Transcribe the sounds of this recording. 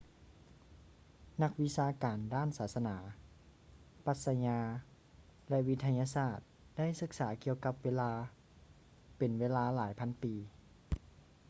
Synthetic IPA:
na˧˥k̚wi˧˥saː˧kaː˨˩ndaː˥˩˨nsaː˨˩˦t̪̚sa˧naː˩˦ | pa˧˥t̪̚sa˧ɲaː˧ | lɛ˧ʔʋi˧˥t̪ʰa˧ɲaː˧saː˧˥˩t̪̚ | d̥a˥˨jsɯ˧˥k̚saː˩˦ki˧əwka˧p̚weː˧˥laː˧ | pe˨˩nweː˧˥laː˧laː˨˩˦jpʰa˧˥npiː˨˦

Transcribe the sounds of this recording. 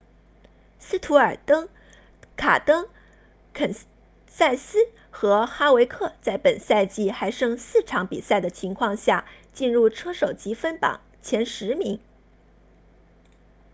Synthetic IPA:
sɹ̩˥t̪ʰu˧˥ə˞˨˩t̪ɤ˥ŋ | kʰa˨˩t̪ɤ˥ŋ | kʰə˨˩n | sa˥˩ɪsɹ̩˥ | xɤ˧˥xa˥we˧˥ɪkʰɤ˥˩t͡sa˥˩ɪpə˨˩nsa˥˧ɪt͡ɕi˥˩xa˧˥ɪʂɤ˥ŋsɹ̩˥˩ʈ͡ʂʰɑ˧˥ŋpi˨˩sa˥˩ɪd̪ə˩t͡ɕʰi˧˥ŋkʰwɑ˥˧ŋɕja˥˩t͡ɕi˥˧nɻu˥˩ʈ͡ʂʰɤ˥ʂo˨˩ʊt͡ɕi˧˥fə˥npɑ̰˨˩˦ŋ | t͡ɕʰjɛ˧˥nʂɻ̩˧˥mi˧˥ŋ

